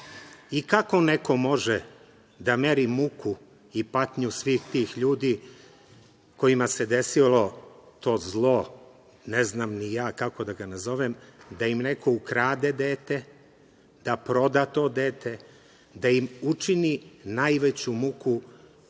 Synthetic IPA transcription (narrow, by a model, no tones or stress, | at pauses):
ikako̞neko̞mo̞ʒe | d̪ameɾimukʰu | ipat̪ɲusʋiːxt̪iːxʎuːd̪iː | ko̞imase̞d̪e̞silo̞t̪o̞ːzlˠo̞ | neznamnijaːkako̞d̪aɡanazo̞ʋemd̪aimnekʰo̞ukɾaːd̪ed̪eːt̪e | d̪̥apɾo̞d̪at̪o̞ːd̪eːt̪ʰe̞ | d̪aimut͡ʂininajʋet͡ɕumuku